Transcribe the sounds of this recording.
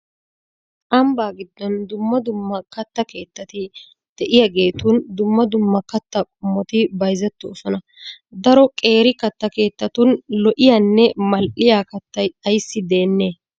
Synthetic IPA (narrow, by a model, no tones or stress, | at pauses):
ʔɐmbaːɡɪd̪ːɔnd̪ʊmːɐd̪ʊmːɐkɐt̪ːɐke̞ːt̪ːɐt̪ɪ | d̪̥ɛʔɪjɐɡe̞ːt̪uːnd̪ʊmːɐd̪ʊmːɐkɐt̪ːɐkʼʊmːɔt̪ɪbɐjzɛt̪ːoːsɔnɐ | d̪ɐɾɔkʼe̞ːɾɪkɐt̪ːɐke̞ːt̪ːɐt̪unlɔʔɪjaːnːɛmɐlʔɪjaːkɐt̪ːɐjɐjsːɪd̪e̞ːnːe̞ː